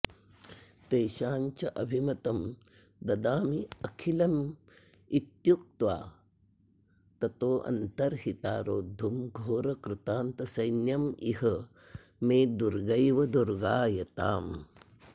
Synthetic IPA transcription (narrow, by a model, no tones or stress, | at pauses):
t̪ejʃaːɲt͡ʃɐʔɐbʱimɐt̪ɐm | d̪ɐd̪aːmiɐkʰilɐm | it̪juk̚t̪ʋaː | t̪ɐt̪oːʔɐ̰nt̪ɐɾhit̪aːɾoːd̪ʱːumɡʱoːɾɐkɾɪt̪aːnt̪ɐsɐjnjɐmiɦɐ | meːd̪uɾɡɐjʋɐd̪uɾɡaːjɐt̪a̰ːm